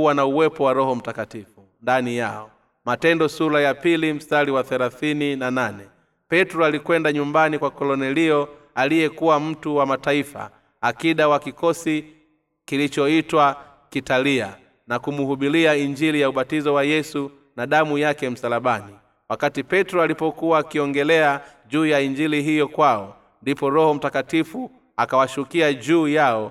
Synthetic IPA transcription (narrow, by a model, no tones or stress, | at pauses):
uwanauwɛpɔwaɾɔhɔm̩takatifu | ndanijaɔ | matɛndɔsuɾajapilim̩staliwaθɛlaθininananɛ | pɛtɾɔalikwɛndaɲumbanikwakɔlɔnɛliɔ | alijɛkuwam̩tuwamataifa̰ | akiɗawakikɔsi | kilit͡ʃɔitwa | kitalia | nakumuhuɓiliaiɲd͡ʒilijauɓatizɔwajɛsu | naɗamujakɛm̩salaɓani | wakatipɛtɾɔalipɔkuwaːkiɔŋɡɛlɛa | ʄuːjaiɲd͡ʒiliɦijɔkwaɔ | ndipɔɾɔhɔm̩takatifu | akawaʃukiaʄuːjaɔ